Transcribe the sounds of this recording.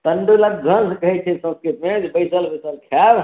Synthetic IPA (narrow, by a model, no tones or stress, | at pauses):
t̪əɳɖulatɡʱənskəɦɛt͡ʃʰɛsə̃nskɾit̪med͡ʒbəjsəlbəjsəlkʰjab